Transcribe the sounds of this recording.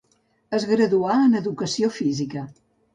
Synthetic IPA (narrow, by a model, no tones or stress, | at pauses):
əzɣɾəðuaənəðukəsiofizikə